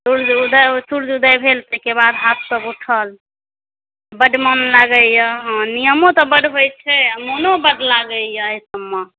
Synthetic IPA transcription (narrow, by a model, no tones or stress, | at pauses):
suɾd͡ʒud̪əsuɾd͡ʒud̪əjbʱelt̪əɦkebad̪ɦat̪̚ʰsəbuʈʰəl | bəɖmənlaɡəjəɦnijəmõt̪ɔbəɖɦojt͡ʃʰɛmonobəɖlaɡəjəːjsəbːe